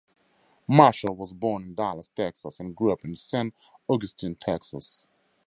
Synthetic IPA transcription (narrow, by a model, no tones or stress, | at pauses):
maʃəl̩ˠwʌzbɔːnɪ̃ndalˠəstʰɛksəsɨ̃nɡɹuʌpɨ̃nsæ̃nt | ɔɡɨstʰĩntʰɛksəs